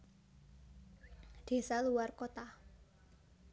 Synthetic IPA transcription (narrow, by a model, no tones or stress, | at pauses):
ɖ̪̥e̤saluarkot̪a